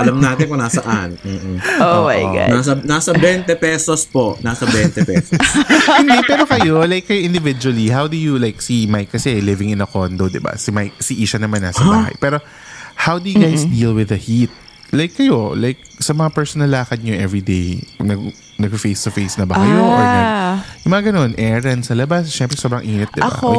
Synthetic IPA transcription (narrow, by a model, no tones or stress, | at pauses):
ʔɐlɐmnaːt̪ɪnkonasɐʔanm̩ːoajɡ̰nasɐnasɐbɛnt̪ɛpɛsospoʔnasɐbɛnt̪ɛpɛsshɪ̃nd̪ɛpɛːɾo̞kɐjolajkːɐjoʔɪ̃nd̪ɪvɪd͡ʒuwɐlihawd̪ʊjulajksimajkːɐsɛlɪvɪ̃ŋɪ̃nɐkond̪od̪ɪba̰sɪmajk̚siʔiːʃɐnɐmanːasɐaːɦɐ̰jpɛːɾo̞ | hawd̪ʊjɡajsd̪iːlwɪðɐhit̪̚ | lajkːɐjo̞lajk̚sɐmɐŋapɛɹsonɐlːaːkɐd̪̚ɲoʔɛvɹid̪ejnɐɡ | nɐɡ̚ffejst̪ʊfejsnɐbɐkɐjoʔɛjʊŋmɐŋaɡɐno̞nʔɛːɹɐnsɐlɐbasʃɛmpɾɛsobɾɐŋʔiːnɪt̪̚d̪ɪ̰ba̰